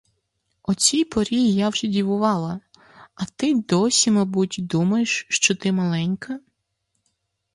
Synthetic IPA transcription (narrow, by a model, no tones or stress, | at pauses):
ɔt͡sʲijpɔɾʲijjawʒɛdʲiʋʊʋɑlˠɐ | ɐt̪ɪd̪ɔsʲimɐbutʲd̪umɐjeʃʃt͡ʃɔt̪ɪmɐlˠɛnʲkɐ